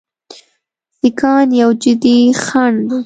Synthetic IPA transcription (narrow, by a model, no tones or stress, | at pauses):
sɪkɑnjawd͡ʒɪd̪ixaɳ